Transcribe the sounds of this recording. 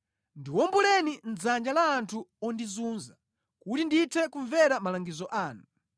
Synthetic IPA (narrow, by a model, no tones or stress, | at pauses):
ndiwɔmbulɛnin̩d͡zand͡ʒalaːntʰuɔndizuːnza | kutinditʰɛkuɱvɛɾamalaŋɡizɔʔaːnu